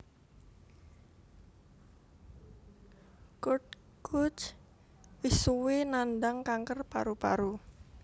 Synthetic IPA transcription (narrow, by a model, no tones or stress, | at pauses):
kʊt̚ | kʰʊt͡ʃ | wisuwenanɖaŋkaŋkərpa̰ɾupa̰ɾu